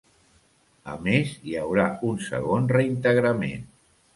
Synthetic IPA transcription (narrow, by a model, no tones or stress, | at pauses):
ə̰meziawɾaunsə̰ɣ̞onrəint̪əɣɾəmḛn